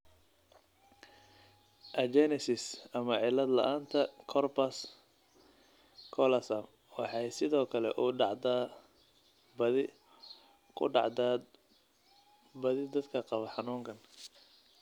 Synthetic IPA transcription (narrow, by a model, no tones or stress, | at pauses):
ʔɐd͡ʒɛnɪsɪsɐmɐʕɪlːɐd̪lɐ̰ʔaːnt̪ʰɐkʰɔrpɐs | kʰɔlɐsɐm | wɑħɑjsɪðɔːkʰɐlɛʔʊɖɑʕd̪a | bɐðɪ | kʰʊ̰ɖɑʕd̪a | bɐðɪd̪ɐd̪kʰɐqɑβɐħɑnuːŋkʰɐn